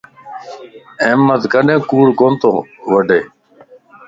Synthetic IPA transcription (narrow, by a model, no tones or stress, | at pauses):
emːət̪kəɖẽːkuːɽkont̪oʋəɖeː